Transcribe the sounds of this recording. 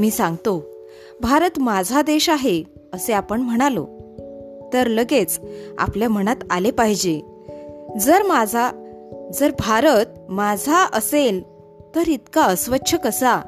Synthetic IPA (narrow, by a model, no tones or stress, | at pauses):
miːsãŋɡt̪o | bʱaɾət̪mad͡zʱad̪eɕaɦe | əseapəɳm̤əɽ̃alo̰ | t̪əɾləɡet͡sa̰pljam̤əɽ̃at̪alepaɦid͡ʑe | d͡zəɾmad͡zʱad͡zəɾbʱaɾət̪̚mad͡zʱaəsel | t̪əɾit̪kaəsʋətːɕʰəkəsa